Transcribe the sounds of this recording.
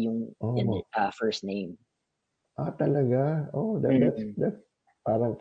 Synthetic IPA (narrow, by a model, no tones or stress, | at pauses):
jʊŋʔoɛɐfɛɹst̪nẽj̃m | ʔat̪ɐlɐɡaʔoʔd̪ad̪at̪d̪ɐt̪s | paːɾɐŋ